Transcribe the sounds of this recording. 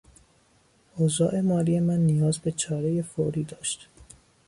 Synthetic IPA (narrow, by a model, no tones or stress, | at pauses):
ʔozɒːʔe̞mɒːɾiːe̞mænːijɒːzbe̞t͡ʃʰɒːɾeje̞foɾiːd̪ɒːʃt̪